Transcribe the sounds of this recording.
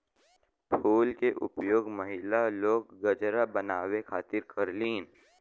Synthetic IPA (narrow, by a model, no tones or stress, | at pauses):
pʰuːlkeʔʊ̰pjoːɡməɦɪlaloːɡːəd͡ʒɾabənaːwekʰaːt̪ɪɾkəɾliːn